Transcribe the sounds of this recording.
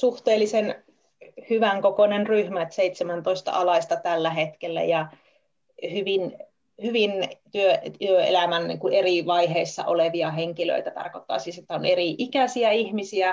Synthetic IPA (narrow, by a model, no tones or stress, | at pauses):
suht̪eːlːisen | hyʋæŋkokonenryhmæt̪seit̪semænt̪oist̪ɑ̰ʔɑlɑist̪ɑt̪ælːæhet̪kelːæ̰jɑ | hyʋin | hyʋint̪yøt̪yøḛlæmænnḭːŋkueriʋɑiɦeisːɑ̰ʔoleʋiɑheŋkilø̰it̪æt̪ɑ̰rkot̪ːɑ̰ːsiːset̪ːæoneriʔikæsiæihmisiæ